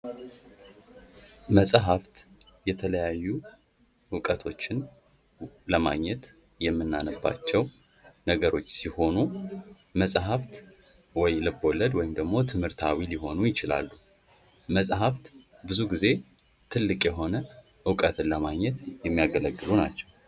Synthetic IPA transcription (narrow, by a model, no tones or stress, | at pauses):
məsʼɦaft̪ | jɛt̪ʰələjajːu | ɨkʼət̪ʰo̞t͡ʃːɪn | ləma̰ɡɲɛt̪ | jɛmːɨnːanəbːa̰t͡ʃːɛw | nəɡəɾo̞t͡ʃːsiho̞nu | məsʼɦaft̪ | wɔjlɨbo̞ləd̪wɔjɪmd̪əɡmo̞t̪ʰɨmhɨɾt̪ʰawiliɦo̞nujɪt͡ʃɪla̰lːu | məsʼɦaft̪ | bɨzuɡize̞ | t̪ʰɨlːɨkʼjɛɦo̞nə | ʔɨkʼət̪ʰɨnləmaɡɲːɛt̪jɛmːijaɡələɡːɨluna̰t͡ʃːɛw